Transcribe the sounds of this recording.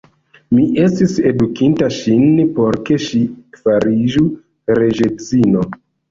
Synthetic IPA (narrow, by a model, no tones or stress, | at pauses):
miʔe̞stise̞dukintaʃinpo̞ɾke̞ʃifaɾid͡ʒu | ɾe̞d͡ʒezino̞